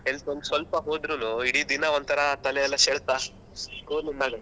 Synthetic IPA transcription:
ɦelsonsʋɐlpɐɦoːd̪ɾunuiɽiːd̪inɐont̪ʰɐɾɐt̪ɐlɛɛlːɐseɭt̪aː | kuːninaːɡɐ

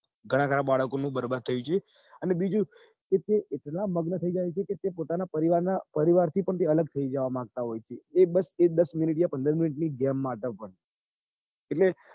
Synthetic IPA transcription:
ɡʱəɽ̃ãkʰəɾabaɭəkonũbəɾbad̪̚t̪ʰəjũt͡ʃʰe | ənebid͡ʒũ | ket̪eʔeʈnaməɡnət̪ʰəid͡ʒajt͡ʃʰeket̪epot̪anapəɾiʋaɾnapəɾiʋaɾt̪ʰipəɳt̪̬eələɡ̚t̪ʰəid͡ʒəʋamãɡ̚t̪aɦojt͡ʃʰeːbəsed̪əsmuniʈjapənd̪əɾminiʈniɡɛmːaʈ̪əpəɳ | eʈle

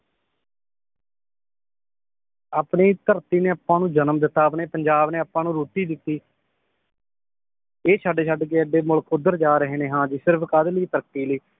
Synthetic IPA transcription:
aːpɳeːt̪əɾt̪iːneːapːãːnũːd͡ʒənəmd̪ɪt̪ːaːbneːpəɲd͡ʒaːbneːapːãːnũːɾuːt̪iːd̪ɪt̪ːiː | eːt͡ʃʰaːɖeːt͡ʃʰaːɖk̬eːəɖeːmʊɭkʰːʊd̪əɾd͡ʒaːɾəɦeːneːɦãːd͡ʒiːsɪɾpʰkaːd̪liːp̪əɾkʈiːləiː

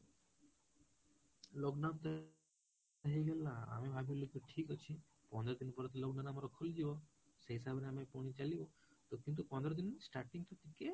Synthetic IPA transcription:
lɔɡnamt̪ə | aɦiɡelaa̰mebʱabʱilikeʈʰiːkət͡ʃʰi | pɔ̃nd̪ɾɔd̪inpəɾt̪lɔɡnanamɾɔkʰuld͡ʒeʋo | seɦisabneamepɔɽ̃it͡ʃaliʋo | t̪okĩnt̪̬upɔ̃nd̪ɾɔd̪insʈaɾʈiŋɡt̪ot̪ike

